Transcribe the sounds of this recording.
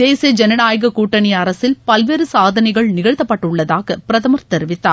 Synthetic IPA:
d̪eːsiɐd͡ʒɛnɐnaːjɣɐkuːʈːɐnɪjɐɾɐsɪlpɐlʋeːɾɯsaːðɐnɐɪɣɐɭnɪɣɐɻt̪ːɐpːɐʈːʊɭːɐðaːɣɐpɪɾɐðɐmɐɾt̪ɛɾɯʋɪt̪ːa̰ː

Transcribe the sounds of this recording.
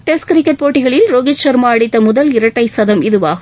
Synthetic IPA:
ʈeskɾɪkːɐʈ̚poːʈːɪɣɐɭɪlɾoɡɪt͡ʃɐɾmaɐɽɪt̪ːɐmʊðɐlɪɾɐʈːɐɪsɐðɐmɪðɯʋaː

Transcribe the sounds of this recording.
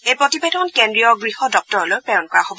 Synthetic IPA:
ejpɹotibedʱɔnkendɹijɔɡɹihɔdɔk̚tɔɹɔlojpɛjɔnkɔɹaxobɔ

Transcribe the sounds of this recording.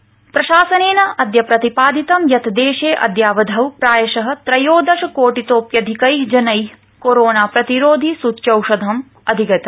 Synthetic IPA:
pɾɐʃaːsɐneːnɐɐd̪jɐpɾɐt̪ipaːd̪it̪ɐmjɐt̪ʰd̪eːʃeːʔɐ̰d̪jaːʋɐd̪ʱɐwpɾaːjɐʃɐɦɐ̆t̪ɾɐjoːd̪ɐʃɐkoːʈit̪oːpjɐd̪ʱikɐjd͡ʒɐnɐj | koɾoːnaːpɾɐt̪iɾoːd̪ʱisut̪ːʃɐwʂɐd̪ʱɐm | ɐd̪ʱiɡɐt̪ɐ̥

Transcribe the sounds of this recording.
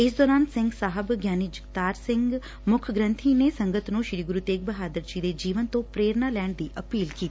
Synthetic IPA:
ɪs̬d̪ɔːɾaːnsɪ̃ŋɡsaːɦəbɡjaːnid͡ʒɪkt̪aːɾsɪ̃ŋɡ | mʊkʰɡɾə̃nt̪ʰiːneːsə̃ŋɡət̪nũːʃɾiːɡʊɾuːt̪eːk̚bəɦaːd̪əɾd͡ʒiːd̪eːd͡ʒiːʋənt̪õːpɾeːɾnaːlɛːɳd̪iːʔəpiːlkiːt̪ii̥ː

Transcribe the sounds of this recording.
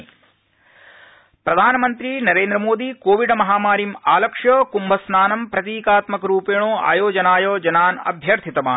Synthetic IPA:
pɾɐd̪ʱaːnɐmɐnt̪ɾinɐɾeːnd̪ɾɐmoːd̪ikoːʋiɖɐmɐɦaːmaːɾimaːlɐkʂjɐːkumbʱɐsnaːnɐmpɾɐt̪iːkaːt̪mɐkɐɾuːpeːɳoːa̰ːjoːd͡ʒɐnaːjoːd͡ʒɐnaːnɐ̰bʱjɐɾt̪ʰit̪ɐmaː

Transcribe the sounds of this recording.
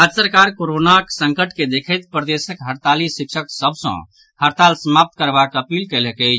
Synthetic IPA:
ad͡ʒsəɾkaɾkoɾonaksə̃ŋkəʈked̪ekʰət̪̚pɾəd̪esəkɦəɾt̪alisikʃəksəbsə̰̃ | həɾt̪alsəmap̚t̪̚kəɾbakəpilkɛlɦɛkɛɪt͡ʃʰ

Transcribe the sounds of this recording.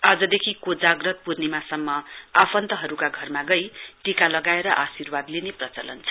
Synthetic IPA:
ad͡zʌd̪ekʰikod͡zaɡrʌt̪̚purnimasʌmːʌapʰʌnt̪ʌɦʌɾukaɡʱʌrmaɡʌjʈikalʌɡaeɾʌʔasirbad̪lineprʌt͡sʌlʌnt͡sʰʌ

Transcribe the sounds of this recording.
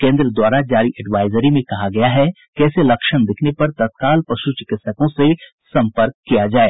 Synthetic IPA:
kẽːnd̪ɾəd̪waːɾad͡ʒaːɾiʔɛɖʋaːɪzəɾimẽkɐɦaɡɐjaɦɛ | kɛːselɐkʃənd̪ɪkʰnepɐɾt̪ɐt̪̚kaːlpɐʃut͡ʃɪkɪt̪səkõse | sɐ̃mpəɾkːijad͡ʒaːeː

